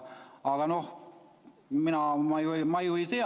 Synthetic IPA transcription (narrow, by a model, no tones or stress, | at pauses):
ɑːɡɑnoh | minæmɑjuimɑjuise